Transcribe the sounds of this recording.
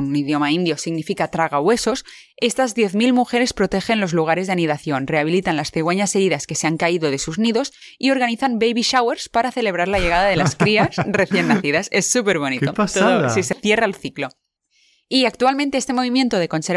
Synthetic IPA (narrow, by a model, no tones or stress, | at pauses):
niðjo̞maind̪josiɣnifikat̪ɾaɣ̞awe̞so̞s | e̞st̪azðje̞θmilmuxe̞ɾe̞spɾo̞t̪e̞xe̞nlo̞zluɣ̞aɾe̞zðaniðaθjo̞nre̞aβ̞ilit̪anlasθeɣwe̞ɲase̞ɾiðaske̞se̞aŋkaiðo̞ðe̞suzniðo̞s | io̞ɾɣaniθambejβiʃawe̞ɾspaɾaθe̞le̞β̞ɾaɾlaʎeɣaðaðelaskɾiasre̞θje̞nːaθiðasesːupe̞ɾβo̞nit̪ost̪oosiseθje̞raelθiklo̞ | iak̚t̪ualmẽnt̪eest̪e̞mo̞β̞imje̞nt̪o̞ð̞e̞ko̞nse̞ɾ